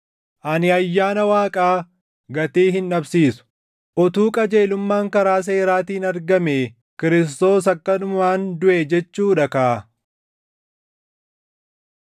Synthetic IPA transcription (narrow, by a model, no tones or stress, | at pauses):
ʔɐnɪɐjːaːnɐwaːkʼaː | ɡɐt̪eːɦɪnᶑɐbsiːsʊ̥ | ʔɔt̪uːkʼɐd͡ʒe̞ːlʊmːaːŋkɐɾaːs̬eːɾaːt̪iːnɐɾɡɐmeː | kɪɾɪs̬t̪o̞ːsɐkːɐnʊmmaːnd̪ʊʔed͡ʒɛt͡ʃːuːᶑɐkɐʔ